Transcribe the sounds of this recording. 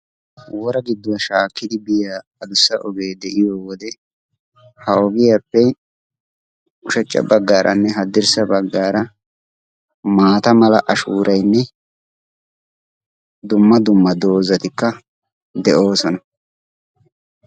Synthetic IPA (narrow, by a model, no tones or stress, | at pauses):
wɔɾɐɡɪd̪ːʊwɐʃaːkːɪd̪ɪbɪjaː | ɐd̪ʊsːɐʔɔɡe̞ːd̪ɛʔɪjoːwɔd̪ɛ | hɐɔɡɪjapːɛ | ʊʃɐt͡ʃʼːɐ̰bɐɡːaːɾʔɐ̰nːɛɦɐd̪ɪɾsɐbɐɡːaːɾɐ | maːt̪ɐmɐlɐ̰ʔɐʃuːɾʔɐjnːɛ | d̪ʊmːɐd̪ʊmːɐd̪o̞ːzɐt̪ɪkːɐ | d̪ɛʔo̞ːsɔnɐ